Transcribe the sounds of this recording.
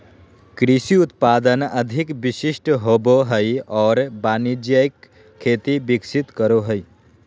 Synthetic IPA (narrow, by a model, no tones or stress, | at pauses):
kɾisiut̪paːd̪ənəd̪ʱikbiʃiʃʈɦoboɦəjɔːɾbaːnid͡ʒjajkʰː | eːt̪ibiksit̪kəɾoɦəj